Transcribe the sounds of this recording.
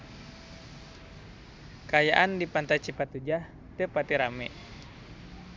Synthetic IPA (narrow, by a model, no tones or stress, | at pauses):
kajaʔandipant̪ajt͡ʃipat̪ud͡ʒah | t̪epat̪iɾamɛʔ